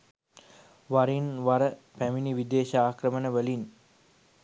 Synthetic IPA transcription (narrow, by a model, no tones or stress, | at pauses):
ʋaɾinʋaɾəpæminiʋid̪eːʃaaːkrəmənəʋəlin